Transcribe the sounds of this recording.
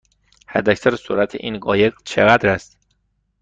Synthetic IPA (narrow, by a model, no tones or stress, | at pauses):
hæd̪æcsæɾsṵɾæt̪ʰḛʔiːnɢɒːjeɡt͡ʃʰeɣæd̪ɾæst̪